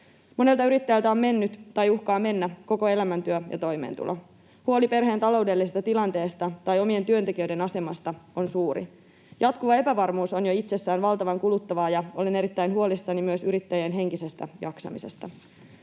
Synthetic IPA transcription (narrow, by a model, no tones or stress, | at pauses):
mo̞ne̞lt̪ɑyɾit̪ːæjælt̪æo̞mme̞nːyt̪t̪ɑjuhkɑːme̞nːæko̞ko̞e̞læmænt̪yøjɑ̰t̪o̞jme̞̰ːnt̪ṵlʔo̞̰ | huo̞lipe̞rɦe̞ːnt̪ɑlo̞uwde̞lːisest̪ɑt̪ilɑnt̪e̞ːst̪ɑt̪ɑjo̞mie̞nt̪yønt̪ekiøɥde̞nɑse̞mɑst̪ɑo̞nsuːɾḭ | jɑt̪kuʋɑe̞pæʋɑrmuːso̞njo̞it̪se̞sːæːnʋɑlt̪ɑʋɑŋkulut̪ːɑʋɑːjɑo̞lene̞ɾit̪ːæjnhuolisːɑnimyøsyɾit̪ːæjeːnɦe̞ŋkise̞st̪æ̰jɑ̰ksɑ̰mise̞̰st̪ɑ